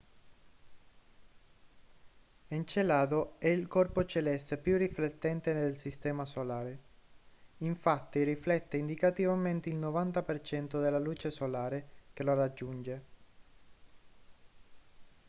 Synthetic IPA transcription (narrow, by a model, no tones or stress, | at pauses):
ent͡ʃelaːd̪oɛilkɔrpot͡ʃelɛst̪pjuriflet̪ːɛnt̪end̪elsist̪ɛːmasolaːɾe | iɱfat̪ːiriflɛt̪ːeind̪ikat̪ivament̪eilnovant̪apert͡ʃɛnt̪od̪elːaluːt͡ʃesolaːɾek̟elorad͡ʒːund͡ʒe